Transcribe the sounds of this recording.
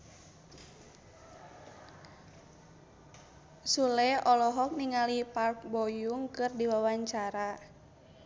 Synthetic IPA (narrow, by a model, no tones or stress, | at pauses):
sulɛɔlɔɦɔk̚niŋalipark̚bɔjuŋkɨrdiwawaɲt͡ʃaɾa